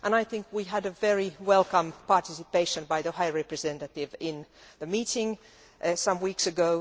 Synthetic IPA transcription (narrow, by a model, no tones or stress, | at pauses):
ʔə̃naɪθɪ̃ŋkwiɨɾɨvɛɹiwɛlˠkə̃mpɑɹtɪsɨpeɪʃɨ̃nbaɪðəhaɪɹɛpɹɨzɛ̃ntɨtɪvɪ̃nðəmitɪ̃ŋ | ʔsʌ̃mwiksɨɡoʊ